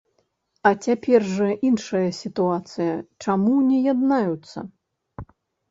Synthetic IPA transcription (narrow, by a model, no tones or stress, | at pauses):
ɐt͡sʲapʲɛrʐɐʔinʂɐjɐsʲit̪uat̪sɨjɐt͡ʂamunʲɛjad̪najut̪sːɐ̰